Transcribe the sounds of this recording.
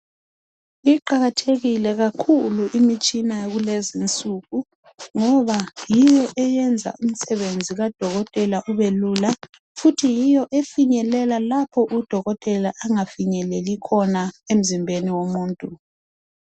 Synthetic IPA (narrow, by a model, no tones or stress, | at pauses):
iǃaɣatʰeɣilɛɣakʰuluʔimit͡ʃʼinaɣulezint͡sʼuɣu | ŋɔβajijɔʔɛjɛnd͡zʱa̰ʔum̩sɛβend͡zʱiɣad̥ʱɔɣɔtʼɛlaʔuβeluːla | futʰijijɔʔefiɲɛlɛlalapʰɔʔud̥ʱɔɣɔtʼɛlaʔːŋafiɲɛlelikʰɔnaem̩zimbʱeniwomuːntʼu